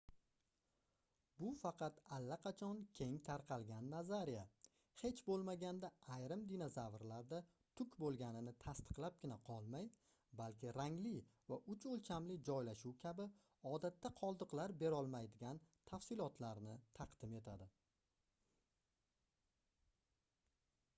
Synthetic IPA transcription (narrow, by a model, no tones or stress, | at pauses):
bʊfɑqʰɑt̪alːaqʰɑt͡ʃʰɒnkʲʰe̞ŋt̪ʰaɾqʰɑlˠɡʲanːazaɾija | he̞t͡ʃbolˠmaɡʲand̪aːjɾɪmd̪inazavɾlaɾd̪a | t̪ʰʊkʲʰbolˠɡʲanɪnɪt̪ʰast̪ɨ̥qlˠap̚ɡʲɪnaqʰɒlˠmaj | balkʲɪɾaŋlɪvaʔʊt͡ʃolˠt͡ʃʰamlɪd͡ʒɒjlaʃuwkʲʰabɪ | ɒd̪at̪ːaqʰɒlˠd̪ɨqlaɾbe̞ɾɒlˠmajd̪ɪɡʲant̪ʰafsɪlˠɒt̪laɾnɪt̪ʰaqd̪̥ɪme̞t̪ʰad̪ɪ